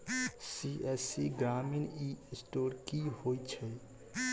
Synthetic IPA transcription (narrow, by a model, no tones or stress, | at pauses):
siʔɛsiɡɾaminisʈoɾkihojt͡ʃʰɛ